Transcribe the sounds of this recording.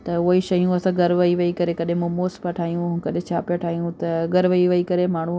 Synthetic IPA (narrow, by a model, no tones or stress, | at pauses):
t̪ɐʊɦiʃɐijũɐsãɡɐɾʋɐiʋɐikɐɾekɐɗɦɪ̃mũmoːspɐʈʰaːijũʊ̃kɐɗẽt͡ɕʰaːpɐʈʰaːijũt̪ɐɡɐɾʋɐiʋɐikɐɾemaːɳ̤u